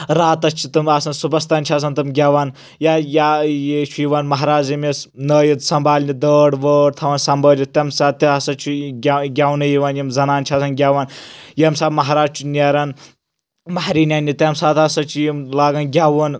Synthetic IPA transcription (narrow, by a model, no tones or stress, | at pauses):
ɾaːt̪ɐst͡ʃʰi̥t̪ɨmɐsɐnsubɐst̪ɐnʲt͡ʃʰiɐs̬ɐnt̪ɨmɡʲɐʋan | jajajet͡ʃʰujiʋaːnmɐɦɾaːd͡ʒimesnəːjit̪sɐmbʱaːlʲnid̪əːɖʋəːɽ̚t̪ʰɐʋɐːnsɐmbɐːlʲit̪ʲɐmsaːt̪ːɐɐsɐt͡ʃʰiɡʲɡʲɐwnɐjiʋaːnjimzɐnaːnt͡ʃʰiɐsɐnɡʲɐʋaːnjɐmsaːbmɐɦaɾaːd͡ʒt͡ʃʰunʲeɾɐn | mɐhɾiːnʲanʲit̪ʲɐmsaːt̪ɐsɐt͡ʃʰijimlaːɡɐnɡʲɐʋɐn